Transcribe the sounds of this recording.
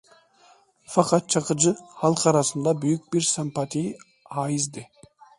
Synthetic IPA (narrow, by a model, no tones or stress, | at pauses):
fɑqɑt̪̚t͡ʃʰɑqɯd͡ʒɯhɑlˠqʰɑɾɑsɯnd̪ɑbyjyk̚biɾsampɑt̪ʰij | ɑjizd̪ɪ